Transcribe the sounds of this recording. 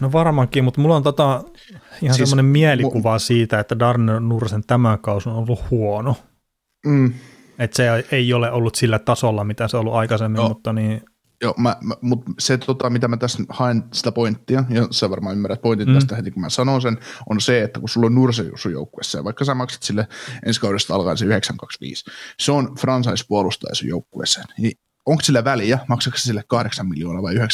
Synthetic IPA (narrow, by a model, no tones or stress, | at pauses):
noʋɑrmɑkˑiːmut̪mulːont̪ot̪ɑ | ihɑnsemːonemmiælikuʋɑsiːt̪æet̪ːædɑrnennursent̪æmæŋkɑusonolːuhhuonoː | et̪seoeioleʔolːut̪silːæt̪ɑsolːɑmit̪æseolːuʔɑikɑsemːimmut̪ːɑniː | joːmæmut̪set̪ʰot̪ɑmit̪æmæt̪æshɑensi̥t̪æpoint̪ːiɑjɑsæʋɑrmɑːymːæræt̪̚point̪int̪æst̪æhet̪ikumæsɑnonsenonseet̪ːækusulːonnursejṵsːujo̰ukːuḛsːḛːʋʋɑikːɑsæmɑksɑ̥t̪silːeʔenskɑudest̪ɑɑlkɑ̰nseyheksæŋkɑksʋḭːsseonfrɑnsɑispuolust̪ɑ̰jɑ̰sṵjoukːuḛsːe̥ːnni | oŋkssilːæʋæljæmɑksɑkse̥silːekkɑhdeksɑmmiljo̰ːnɑʋɑiyheks